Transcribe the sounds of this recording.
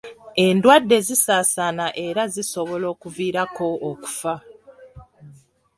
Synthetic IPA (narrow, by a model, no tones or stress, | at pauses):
e̞ndwadːe̞zisaːsanaʔe̞ɾaziso̞βo̞lo̞ːkuviːɾako̞ːku̥fa